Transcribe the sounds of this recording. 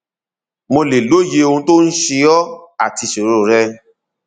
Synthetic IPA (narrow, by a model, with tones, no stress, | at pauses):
mo˧le˨lo˨˦je˧o˧ũ˦to˦n̩˦ʃe˧ɔ˦a˦˨ti˧so˨ɾo˦˨ɾɛ˦